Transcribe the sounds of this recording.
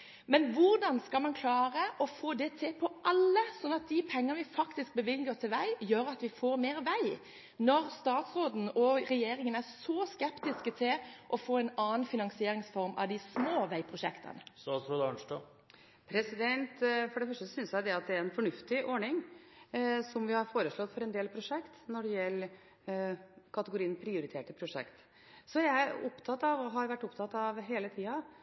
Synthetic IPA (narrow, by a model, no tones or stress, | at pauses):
mɛnʋʊɾd̪ɑnskɑlmɑnkʰlɑːɾəʔɔfoːd̪ɛt̪ʰɪpʰɔʔɑlːəsɔnːɑt̪̚d̪ɪpʰɛŋːənəʋɪfɑkt̪ɪsk̚bəʋɪlɡəɾt̪ʰɪlʋæɪjøːɾɑt̪ʋɪfoːɾmeːɾʋæɪ | nɔɾst̪ɑːt̪sɾoːd̪n̩ɔɾɛjeːɾɪŋənæʁsɔːskɛpt̪ɪskət̪ʰɪlʔɔfoːɛnɑːnfɪnɑŋsɪeːɾɪŋsfɔɾmɑ̰ʋd̪ɪsmoːʋæɪpʰɾʊʃɛ̰kt̪ʰə̰nəsɑsɾud̪ɑnʂʈo | pʰɾɛsɪd̪ɛnt̪fɔɖɛfœʂʈəssʏnsjæɪd̪ɛɑt̪̚d̪ɛæɾɛnfɔɳʉft̪ɪʔɔɳɪŋ | sɔmʋɪhɑɾfoːɾəsɭɔt̪ːfɔɾɛnd̪eːlpʰɾʊʂɛkt̪nɔɖɛjɛlː | kʰɑt̪əɡʊɾiːənpʰɾɪʊɾɪt̪ʰeːʈəpʰɾʊʂɛ̰kt̪ | sɔææʊpt̪ʰɑt̪ːɑʋɔɦɑɾʋæʈːʊpt̪ʰɑt̪ːɑʋɦeːlət̪ʰiːɑ